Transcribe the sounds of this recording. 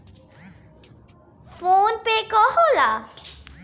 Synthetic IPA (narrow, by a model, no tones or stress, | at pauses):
fonpekɔɦola